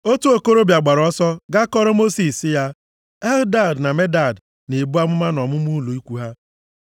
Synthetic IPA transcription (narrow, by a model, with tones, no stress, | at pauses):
o˦tu˦o˨ko˦ɾo˦bja˨ɡ͡ba˨ɾɔ˦sɔ˦ɡa˦kɔ˦ɾɔ˦mo˦si˨sɪ˦ja˦ | ɛ˦lda˦˨dna˨me˦da˨d | ne˨bu˦a˦mʊ˦ma˦nʊ˨ɔ˨mʊ˦m˦u˦lo˨i˦kʷu˦ɦa˦